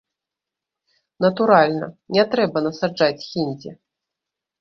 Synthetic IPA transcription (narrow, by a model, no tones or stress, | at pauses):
nɐt̪uɾalʲnɐ̰nʲɛt̪ɾɛbɐnɐsad͡ʐat͡sʲxʲinʲd͡zʲɛ̰